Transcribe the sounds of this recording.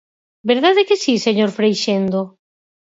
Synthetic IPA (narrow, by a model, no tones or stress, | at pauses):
beɾðaðekɪsiseɲoɾfɾejʃend̪o